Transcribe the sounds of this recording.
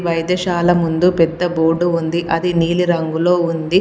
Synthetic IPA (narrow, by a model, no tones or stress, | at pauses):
ʋɐjd̪ɐʃaːlɐmund̪upɛd̪ːɐboːɖuund̪iʔɐd̪iniːliɾɐŋɡulo̞ːund̪i